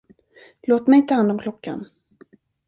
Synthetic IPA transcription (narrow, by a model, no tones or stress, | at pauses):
loːt̪mɛjɪnt̪ʰəhand̪ɔmkʰlɔkʰːa̰n